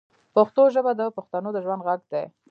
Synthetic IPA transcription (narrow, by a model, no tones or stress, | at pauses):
paxt̪oʒəbad̪əpʊxt̪anod̪əʒwand̪ɣaɡd̪e